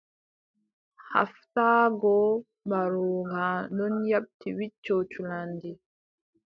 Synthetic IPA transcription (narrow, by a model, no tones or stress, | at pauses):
ha̰ftaːɡɔ | mbaɾuŋɡanɔnjaɓ̚tiwit͡ʃːot͡ʃulandi